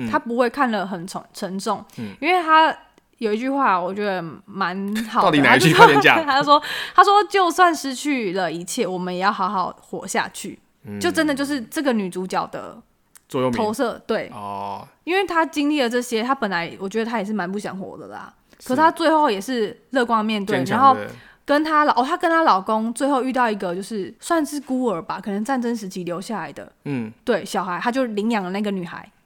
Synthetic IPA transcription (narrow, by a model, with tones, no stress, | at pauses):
t̪ʰa˥pu˧˦xwe˥˧ɪkʰa˥˩nlə˩ɦə˨˩nʰ˧ʈ͡ʂʰə˧˥ŋʈ͡ʂɔ˥˩ŋi˥nwe˥˩ɪt̪ʰa˦ | jo˨˩ʊi˧˥t͡ɕy˥˧xwa˥˨wɔ˨˩t͡ɕɥɛ˧˦˥d̪ə˧ma˧˦nxɑ˨˦˥ti˨na˧˥y˥ɛ˧t͡ɕa̰˥˨˥a˥jo˥˧ʂwɔ˥t̪ʰa˥ʂwɔ˦t͡ɕjo˥˧ʊswa˥˨nʂɻ̩˥t͡ɕʰy˥˩lə˩i˧˦t͡ɕʰjɛ˥˩wɔ˨˩mə˨˦njɛ˨˩jɑ˥˩ʊxɑ˧˥ʊxɑ˨˩ʊxwɔ˨˦ɕja̰˥˧t͡ɕʰy̰˥˩ | t͡ɕt͡ɕo˥˩ʊʈ͡ʂə˦nd̪ə˨t͡ɕjo˥˧ʊʂ̬ɻ̩˥˩ʈ͡ʂɤ˥˩ɡə˨ny˨˩t͡su˧˥t͡ɕjɑ˨˩ʊd̪ə̰˦ | t͡swɔ˨jo˥˨o˨˧˥ʊsɤ˥˩t̪we˥˩ɪ | i˥nwe˥˩ɪt̪ʰa˥t͡ɕi˦ŋli˥˩d̪ə˩ʈ͡ʂɤ˥˩ɕjɛ˦˥t̪ʰa˥pə˨˩nla˧˦ɪwʔɔ˨˩t͡ɕɥɛ˧˥d̪ə˧t̪ʰa˥jɛ˨˩ʂɻ̩˥˩ma˧˦npu˥˩ɕjɑ̰˨˦ŋxwɔ̰˨˩d̪ə̰˨la̰˩ | kʰə˨˩ʂ̩˥˩tʰa˥t͡swe˥˧xo˥˩ʊjɛ˨˩ʂɻ̩˥˧lɤ˥˧kwɑ˥ŋmjɛ˥˨nt̪we˥˨ɪna˧˦nxo˥˩ʊ | kə˦nt̪ʰa˥lʔo˨˩t̪ʰa˥kə˦nt̪ʰa˥lɑ˨˩ʊko˦ŋt͡swe˥˧ɪxo˥˧ʊy˥˧t̪ɑ˥˩ʊi˧˥ɡə˨t͡ɕjo˥˧ʊʂɻ̩˥˩swa˥˧nʂɻ̩˥˩ku˥ə˞˨˩ba˨kʰɤ˨˩nə˧˦ŋt͡sa˥˩nʈ͡ʂə˦˥nʂ̬ɻ̩˧˥t͡ɕʰi˧˥ljo˧˥ʊɕja˥˩la˨˦ɪd̪ə̰˩t̪we˥˩ɪɕjɑ˨˩ʊxa˧˦ɪa˦˥t͡ɕjo˥˩ʊli˧˥ŋjɑ˨˩ŋlə˦na˥˩ɡə˩ny˨˩xa̰˧˦ɪ